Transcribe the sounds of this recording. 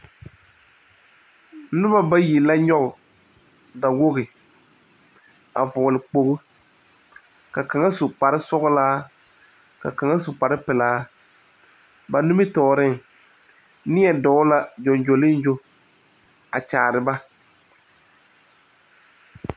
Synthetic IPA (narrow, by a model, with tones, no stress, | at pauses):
nʊ˦ba˦ba˦ji˨la˦ɲɔ˦ɣʊ˨ | da˨wo˦ɣɪ˨ | a̰˨vʊ˨lɪ˨k͡po˨ɣʊ˦ | ka˨ka˨ŋa˦sʊ˨k͡pa˨ɾɪ˦sʊ˦ɣʊ˦laː˦ | ka˨ka˨ŋa˦sʊ˨k͡pa˨ɾɪ˦pɪ˨laː˦ | ba˨nʊ˦mɪ˦tɔː˨ɾɪ˦ŋ | nɪ˦ɛ˨dɔ˨˦la˦d͡ʒɔ˨nd͡ʒo˨lɪ˦nd͡ʒo˦ | a˨t͡ʃaː˨ɾɪ˨ba˦